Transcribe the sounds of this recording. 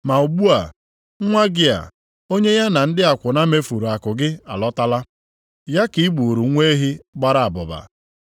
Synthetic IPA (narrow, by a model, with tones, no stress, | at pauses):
ma˨u˨ɡ͡bu˦a˨˦ | ŋʷa˦ɡɪ˦a̰˨ | o˦ɲe˦ja˦na˨n̩˦dɪ˦a˨kʷʊ˨na˦me˦fu˨ɾu˨a˨kʊ˨ɡɪ˦a̰˨lɔ˦ta˦la˦ | ja˦ki˨i˦ɡ͡bu˨ɾu˨˦ŋʷe˦ɦi˦ɡ͡ba˦ɾa˨a˨bʊ˨ba̰˨